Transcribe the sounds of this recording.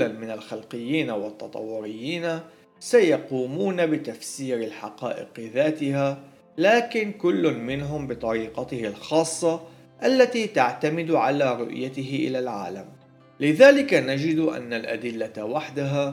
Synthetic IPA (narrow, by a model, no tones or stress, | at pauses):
lanmɪnalxalqɪjːiːnawɪt̪ːɑt̪ˤɑ̰wːʊɾɪjːiːna | sajɑquːmuːnabɪt̪afsiːɾɪlħɑqɑ̰ːʔɪ̰qðaːt̪ɪha | laːkɪnkʊlːʊnmɪnɦʊmbɨt̪ˤɑɾiːqɑt̪ɪhɪlxɑːsˤːɑ | ʔalːat̪iːt̪aʕt̪amɪd̪ʕalaːɾʊ̰ʔjat̪ɪɦɪʔɪ̰lalʕa̰ːlam | lɪðaːlɪkanad͡ʒɪd̪ʔa̰nːalʔa̰d̪ɪlːawaħd̪aɦa